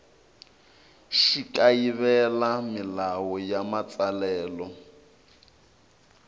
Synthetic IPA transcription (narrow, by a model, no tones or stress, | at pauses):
ʃikaiβɛlamilawɔjamat͡salɛːlɔ